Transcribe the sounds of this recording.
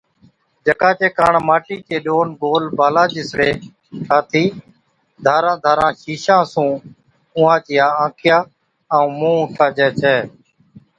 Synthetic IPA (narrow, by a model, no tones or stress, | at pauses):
d͡ʒəkãːt͡ʃeːkaːɳmaːʈiːt͡ʃeːɗoːnɡoːlbaːlãːd͡ʒɪsɽeː | kʰaːt̪ʰiː | d̪ʱaːɾãːd̪ʱaːɾãːʃiːʃãːsũː | ʊ̃ːãːt͡ʃɪjaːãːkʰɪjaː | əũːmũːʊ̃ʈʰaːd͡ʒɛːt͡ʃʰɛː